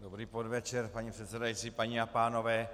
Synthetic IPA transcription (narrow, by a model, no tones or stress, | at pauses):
dobɾiːpodvɛt͡ʃɛɾpaɲipr̥ɛt̪sɛdajit͡sipaɲiapaːno̞vɛː